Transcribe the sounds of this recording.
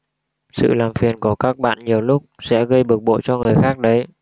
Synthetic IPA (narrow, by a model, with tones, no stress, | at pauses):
sɨ̰˧˨laː˨˩mfi˨˩ənku˧˩˦kaː˦˥k̚ɓa̰ː˧˨nɲi˨˩əwlʊ˦˥k͡p̚sɛ̰˧˥ɣə˧jɓɨ˨˩k̚ɓo̰˧˨t͡ɕɔ˧ŋɨ˨˩əjxaː˦˥k̚ɗə˨˦j